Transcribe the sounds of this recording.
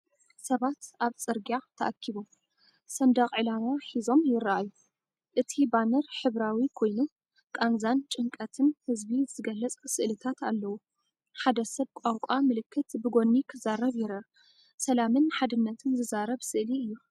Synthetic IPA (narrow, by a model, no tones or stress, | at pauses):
sɐβat̪ʔaβt͡sʼɨɾɡat̪ʰɐʔakʰːiβom | sɐnd̪ɐχʼʕɨlamaħizo̞mjɪrːaʔaju | ʔɨt̪ʰibanɐɾħɨβɾawikʰo̞jnu | kʼanzant͡ʃʼɨŋkʼɐt̪ʰɨnhɨzbiz̥ɨɡɐlːɐt͡sʼsɨʔlɨt̪ʰat̪alːɐwu | ħad̪ɐsɐβkʷʼakʷʼamɨlɨkʰːɨt̪bɨɡo̞nːikʰɨzaɾɐβjɪɾɐ | sɐlamɨnħad̪ɨnːɐt̪ʰɨnzɨzaɾɐβsɨʔliɨjːu